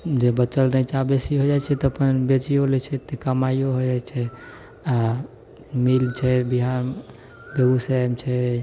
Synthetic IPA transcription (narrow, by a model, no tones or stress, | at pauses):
d͡ʒebət͡ʃəlnət͡ʃabesiɦod͡ʒajt͡ʃʰɛt̪ɔəpənbet͡ʃiolɛt͡ʃʰɛt̪ekəmajoɦod͡ʒat͡ʃʰɛ | a | milt͡ʃʰɛbiɦan | beɡusamt͡ʃʰɛ